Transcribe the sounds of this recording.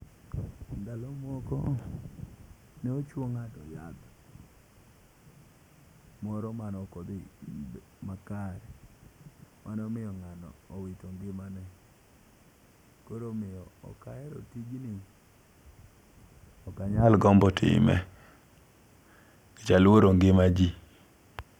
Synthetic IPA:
ndalɔmɔkɔ̰ | nɛot͡ʃwoŋatɔja̰d̪ | mɔɾɔmanɔkod̪ɪb | makaɾɛ | mʔanɔmɪjɔŋanɔ̰ːwitoŋɡɪmanɛ | koɾomɪjɔɔ̰kaɛɾɔ̰tiɡni | ɔkaɲalɡɔmbɔtʰɪ̰mɛ̰ | ɪt͡ʃalwoɾoŋɡɪmad͡ʒi

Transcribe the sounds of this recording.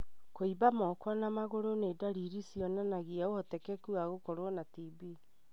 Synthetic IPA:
koibamɔkɔnamaɣoɾoneːdaɾiɾisjɔnanaɣiaohɔtɛkɛkuaɣokɔɾwɔnatibi

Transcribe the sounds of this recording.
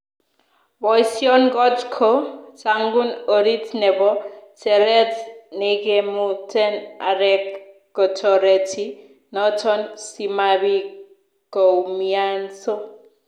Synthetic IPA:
bɔjsiɔnɡɔtkʰosaŋɡunoɾitʰnɛbɔsɛlɛtnekemutʰɛna̰ɾɛkː | ɔtʰɔɾetʰi | nɔtʰɔnsimaβi | kowmianso

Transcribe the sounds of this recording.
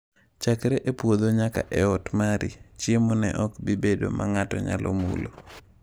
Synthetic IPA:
t͡ʃakɾeʔepwod̪oɲaka̰ʔɛɔtmaɾit͡ʃjemonɛ̰ʔɔkbibedo̰maŋatɔɲa̰lʔɔ̰mṵlo̰

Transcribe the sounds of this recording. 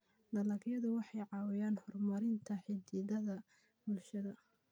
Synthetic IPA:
d̪ɐlɐɡjɐðʊwɑħɑjʕɑːwɪjaːnhɔrmɐɾɪnt̪ʰɐħɪd̪iːðɐðɐ | bʊlʃɐðɐ

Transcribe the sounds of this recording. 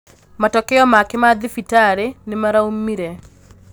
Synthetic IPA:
matɔkɛjɔmakɪmad̪ɪfitaɾenɪmaɾaumːiɾɛ

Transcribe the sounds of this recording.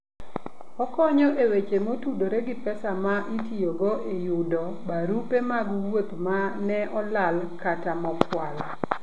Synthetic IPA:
ɔkɔɲɔʔewet͡ʃemotudoɾeɡɪpɛsamaʔitioɡoʔejudɔ | baɾupemaɡuwwop̪manɛʔɔlalkatamɔpwal

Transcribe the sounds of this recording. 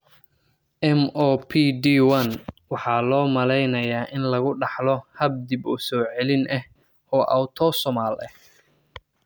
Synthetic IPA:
ʔɛmɔːpʰid̪iwɐnwɑħɑːlɔːmɐlɛjnɐjaːʔɪnlɐɣʊɖɑħlɔhɐb̚d̪ibʊsɔːʕɛlɪnʔɛh | ɔːʔɐ̰wt̪ʰɔsɔmaːlɛ̰h

